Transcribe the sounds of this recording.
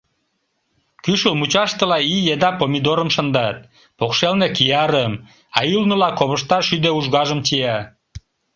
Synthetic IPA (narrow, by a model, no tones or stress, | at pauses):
kyʃəlmut͡ɕɑʃt̪ə̆lɑijed̪ɑpomʲid̪oɾəmʃə̆nd̪ɑt̪̚ | pokʃelnekijɑɾəm | ɑjylnəlɑkoβəʃt̪ɑʃyd̪euʒɣɑʒəmt͡ɕijɑ